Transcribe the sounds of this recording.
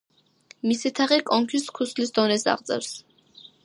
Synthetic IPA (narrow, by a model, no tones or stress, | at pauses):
misit̪ʰaʁikʼɔŋkʰiskʰuslisd̪ɔnɛsa̰ʁd̪zʼɛ̰ɾs